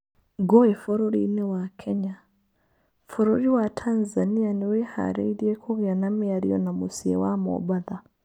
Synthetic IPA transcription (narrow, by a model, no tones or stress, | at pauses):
ɡɔɛfɔɾɔɾḭnɛwakʰɛɲa | fɔɾɔɾiwatʰanzanianɛweha̰ɾɛ̰iɾiɛkʰɔɣeanamiaɾḭɔ̰namusiɛ̰wamɔ̰baða